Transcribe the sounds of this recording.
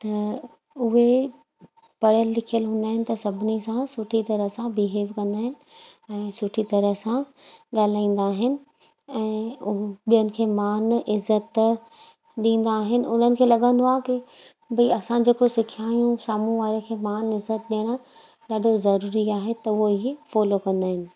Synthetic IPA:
t̪ɐ | ʊɦe | pɐɽ̤jəlːɪkʰijəlɦʊ̃nd̪aːɦɪnɪ̆t̪ɐsɐbʱɪnisãsʊʈʰit̪ɐɾəɦsãbiɦeːʋkɐ̃nd̪aːɦɪnɪ̆ | ɛ̃ːsʊʈʰit̪ɐɾəɦsã | ɠaːl̤aːĩːn̆d̪aːɦɪnɪ̆ | ɛ̃ː | ɓijənɪ̆kʰeːmaːnɪzːət̪ | ɗĩːn̆d̪aːɦɪnɪ̆ʊn̤ənɪ̆kʰeːlɐɠə̃nd̪oaːɦki | bɐiɐsãd͡ʑeːkosɪkʰiaːjũsaːmũʋaːɾekʰeːmaːnɪzət̪̚ɗeːɽ̃ | ɗaːɖʱozɐɾuːɾiaːɦet̪ɐʊɦoɦifɔːlokɐ̃nd̪aːɦɪnɪ̆

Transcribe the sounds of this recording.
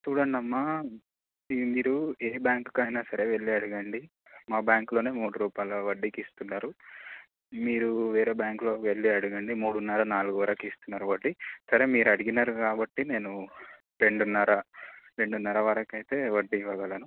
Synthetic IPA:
t͡ʃuːɽɐɳɖɐmːa | id̪iɾueːbjaːŋkkɐjnaːsɐɾe̞ːʋe̞ɭːiɐɽuɡɐɳɖi | maːbjaːŋklo̞ːne̞ːmuːɽuɾuːpaːjloʋɐɖːikist̪unːaːɾu | miːɾuʋeːɾeːbjaːŋklo̞ːkʋe̞ɭːiɐɽuɡɐɳɖimuːɽunːɐɾɐnaːluɡuʋɐɾɐkist̪unːaːɾuʋɐɖːisɐɾe̞ːmiːɾuɐɽiɡinaːɾukaːbɐʈːine̞ːnu | ɾe̞ɳɖunːɐɾɐɾe̞ɳɖunːɐɾɐʋɐɾɐkɐjt̪e̞ːʋɐɖːiʋɐɡɐlɐnu

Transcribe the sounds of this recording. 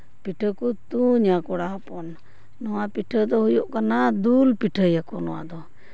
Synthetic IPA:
piʈʰəkut̪uɲakɔɽaɦɔpɔnː | ɔwapiʈʰəd̪ɔhujɔʔkanad̪ulpiʈʰəjakɔnɔwa̰ʔd̪ɔ

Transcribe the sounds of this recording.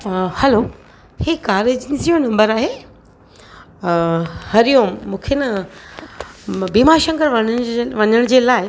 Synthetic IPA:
hɛlo | heːkaːɾed͡ʑnɪzijonɐ̃mbəɾaːɦeː | hɐɾijõmũːkʰenɐ | biːmaːɾʃɐ̃ŋɡəɾʋɐə̃ʋɐɲəɽ̃d͡ʑeːlaːɪ

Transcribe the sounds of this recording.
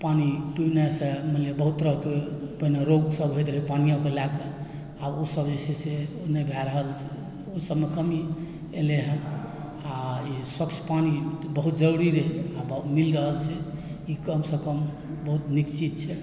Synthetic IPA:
panipibnesẽmənlebəɦut̪ɾəɦkeəpəneɾoɡsəbɦojt̪ɾipanijãkelake | aosəbd͡ʒesʰɛseonəbʱɛɾəɦəlt͡ʃʰɛ | osəbmekəmi | eleɦɛ̃ | aiswəkt͡ʃʰpanibəɦut̪d͡ʒəɾuɽiɾeɦabmilɾəɦəlt͡ʃʰɛikəmsəkəm | bəɦut̪nikt͡ʃit̪̚t͡ʃʰɛ

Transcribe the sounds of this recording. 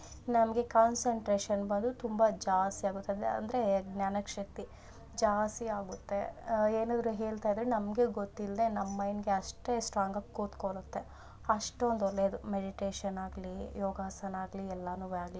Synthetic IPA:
nɐmɐɡe̞kaːnseɳʈɾeːʃɐnbɐnd̪ut̪umbad͡ʒaːst̪iaːɡut̪ːɐd̪eɐ̰nd̪ɐɾe̞ɡnjaːnɐkʂɐk̚t̪i | d͡ʒaːst̪iaːɡut̪ːe̞eːnaːd̪ɾuɦeːɭt̪aːjid̪ɾenɐmɡe̞ɡot̪ːildenɐmːɐjnɡe̞ɐʂʈe̞sʈɾaːŋɡɐɡkːuːt̪koɭut̪ːe̞ | ɐʂʈond̪olːeːd̪umeɖiʈeːʃɐnaːɡlijoːɡaːsɐnaːɡliɛlːɐnuːʋaːɡli

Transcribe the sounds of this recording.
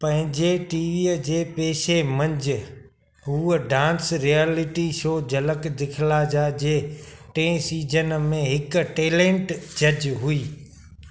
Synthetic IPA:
pɐ̃ɦɪ̃ɲd͡ʑeʈiːʋiːəd͡ʑeːpeːʃemɐ̃ɲd͡ʑɪ̆ | ɦuːəɖãːnsɾiaːlɪʈiʃoːd͡ʑɐləkd̪ɪkʰɪlaːd͡ʑaːd͡ʑeːʈẽːsiːd͡ʑʱənmẽɦɪkʈeːlẽːɳʈd͡ʑɐd͡ʑɦuiː

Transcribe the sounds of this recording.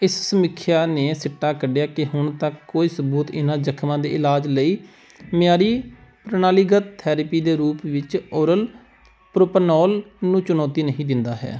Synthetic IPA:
ɪssəmɪkʰːjaːneːsɪʈːaːkəɖɪjaːkɪɦʊɳt̪akkːoːiːsəbuːt̪ɪnãːd͡ʒəkʰmãːd̪ḛːʔɪlaːd͡ʒləiː | mɪjaːɾiːpɾənaːlɪɡət̪t̪ʰːɛːɾəpiːd̪eːɾuːpʋɪt͡ʃoːɾəl | pɾʊpnɔːlnũːt͡ʃʊnɔːt̪iːnəɦĩːd̪ɪnd̪aːɦɛ̰ː

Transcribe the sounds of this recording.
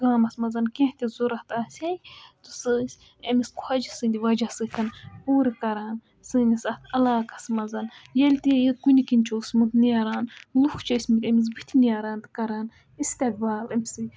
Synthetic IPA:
ɡaːmɐsmɐzɐnkʲẽht̪ʲizuɾɐht̪ɨasʲɐjt̪u̥sɨːsʲ | ɐmiskuhɐd͡ʒisɨnʲd̪ʲiʋɐd͡ʒasɨt̪ʲʰɐnpuːɾikɐɾaːn | sɨːnʲisɐt̪ʰɐlaːkɐ̥sɨmɐzɐnjelʲt̪ijkunʲikinʲt͡ʃʰoːsmɨd̪nijaɾaːnlukʰt͡ʃʰɐsʲmɨt̪ʲɐmis̬bɨht̪ʰinijaɾaːnt̪ɨ̥kɐɾaːn | ist̪ʲek̚baːlɐmisɨ

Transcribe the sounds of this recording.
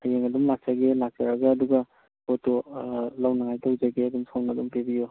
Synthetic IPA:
ajeŋɐdumlak̚t͡ʃaɡelak̚t͡ʃaɾɐɡɐːduɡɐ | botolawnaŋajtawd͡ʒaɡeɐdumsʰomnadumpebijo

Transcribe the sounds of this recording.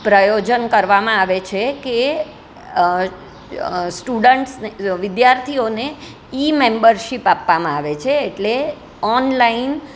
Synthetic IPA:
pɾəjod͡ʒənkəɾʋamãaʋet͡ʃʰeke | sʈuɖəɳʈsneʋɪd̪jaɾt̪ʰione | imẽmbəɾʃipapːamãaʋet͡ʃʰeːʈle | ɔnlain

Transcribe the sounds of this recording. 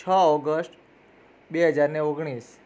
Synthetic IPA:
t͡ʃʰəɔɡəsʈ | beɦəd͡ʒaɾneoɡɽ̃is

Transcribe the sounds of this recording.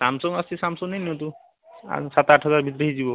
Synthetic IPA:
samsɔŋast͡ʃʰisamsɔŋneniõt̪̬ṵ | sat̪aʈʰɦɔzaɾbʱit̪̬ɾeɦid͡ʑibo

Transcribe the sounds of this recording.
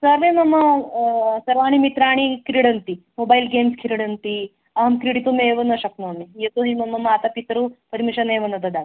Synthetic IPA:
sɐɾʋemɐmːɐ | sɐɾʋaːɳimit̪ɾaːɳ̃ikiɾiɽɐnt̪i | moːbɐjlɡeːmskʰiɾiɽɐnt̪i | ɐɦɐmkɾiɽit̪umeːʋɐnɐʃɐknoːnːijɐt̪oɦimɐmːɐmːaːt̪ɐpit̪ɾupɐɾmiʃɐneːʋɐnɐd̪ɐd̪aːn

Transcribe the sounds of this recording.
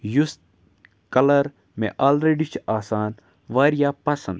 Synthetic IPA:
just̪̚ | kɐlɐɾ | mḛ̃ʔaːlɾeːɖit͡ʃʰaːsaːn | ʋaːɾijaːpɐsɐ̰nd̪

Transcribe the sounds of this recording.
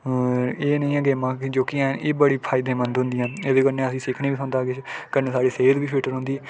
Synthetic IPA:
eːnə̃ĩːə̃ɡeːmãːd͡ʒoːkɪɛ̃ːneːbəɽiːpʰaːɪd̪ẽːmənd̪ɦʊ̃nd̪ɪjãːeːd̪ekəɾneəsĩːsɪkʰniːbisõːnd̪aːɡet͡ʃkəɾneːsaːɽiːseːd̪biːpʰɪʈəɾɦʊ̃nd̪iː

